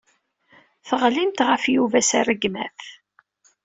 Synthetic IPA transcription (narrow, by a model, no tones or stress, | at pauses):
θəʁlimt̪ʁəfjuvæsærəɡmæ̰θ